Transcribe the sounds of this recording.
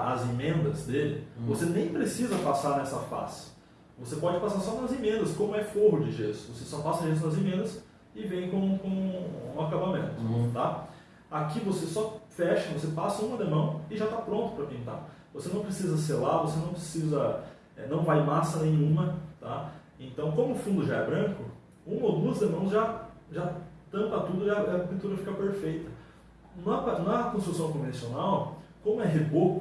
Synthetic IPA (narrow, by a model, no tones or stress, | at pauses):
ɐzemẽnd̪ɐzd̪elɪvosenẽj̃pɾesizɐpasaɾnɛsɐfa̰sɪ̥ | vosepɔd͡ʒɪpasaɾsɔnɐzemẽnd̪ɐskõmʊɛfoɦʊd͡ʒɪʒest̪ʊvosesɔpasɐʒes̬t̪ʊnɐzemẽnd̪ɐs | ɪvẽj̃kõkõũakabamḛ̃nt̪ʊt̪a | akivosesɔfɛʃɐvosepasɐũmɐd̪ɐmɐ̃w̃ɪʒat̪apɾõnt̪ʊ̥pɾɐkẽt̪a̰ | vosenɐ̃w̃pɾesizɐs̬eɾlavosenɐ̃w̃pɾesizɐ | ɛnɐ̃w̃vajmasɐnẽj̃ũmɐt̪a | ẽnt̪ɐ̃w̃kõmʊʊfũnd̪ʊʒaɛbɾɐ̃kʊ | ũmɐod̪uɐzd̪emɐ̃w̃zʒa | ʒat̪ɐ̃mpɐt̪ud̪ʊiɐɐpĩt̪uɾɐfikɐpeɾfejt̪ɐ | nɐpnɐkõst̪ɾusɐ̃w̃kõvẽsionawkõmʊɛɦebo